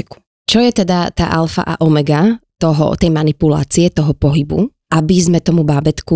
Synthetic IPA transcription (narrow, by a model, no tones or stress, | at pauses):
ku̥ | t͡ʃɔjɛt̪ɛd̪at̪a̰ːʔalfa̰ʔa̰ʔɔmɛɡat̪ɔɦɔ̰t̪ɛjmanipula̰ːt͡siɛt̪ɔɦɔpɔɦibṵ | ʔabizmɛt̪ɔmubaːbɛt̪ku